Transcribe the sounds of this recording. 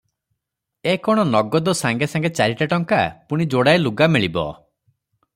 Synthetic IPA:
ekɔɽ̃ɔnɔɡɔd̪ɔsaŋɡesaŋɡet͡ʃaɾiʈaʈɔŋkapuɽ̃id͡ʒoɽajluɡameɭibɔ̰

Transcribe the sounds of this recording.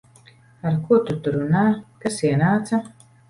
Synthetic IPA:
aɾkuɔt̪ut̪uɾunaːkasiɛnaːt̪sɐ

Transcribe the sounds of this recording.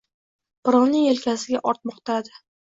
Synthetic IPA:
pɪɾɒwnɪŋelkʲʰasɪɡʲaʔɒɾt̪̚mɒqt̪ʰad̪ɪ

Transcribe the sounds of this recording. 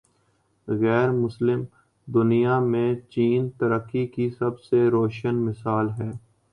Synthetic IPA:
ɣɛːɾmʊslɪm | d̪ʊnijamẽt͡ʃiːnt̪əɾəkːikisɐbseɾoːʃənmɪsaːlɦɛː

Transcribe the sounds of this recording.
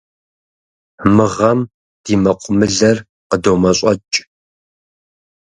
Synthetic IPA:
mɨʁɐm | d̥iːmɐqʷʼʊmɨɮɐr | qədowmɐɕʷʼɐt͡ʃʼ

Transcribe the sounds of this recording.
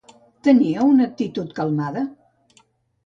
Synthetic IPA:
t̪əniəunək̚t̪it̪ut̪kəlˠmaðə

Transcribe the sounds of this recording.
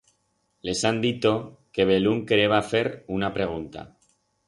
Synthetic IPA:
le̞sand̪it̪o̞ke̞β̞eluŋkeɾeβafe̞ɾunapɾe̞ɣ̞unt̪a̰

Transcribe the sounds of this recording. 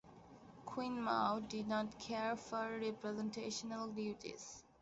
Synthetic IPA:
kʰwĩnma̰ʊɖɪdnɔʈkʰeːɾfɔɾɾɛpɾɛzẽnʈʰeːʃənəlɖjuːʈḭz̥

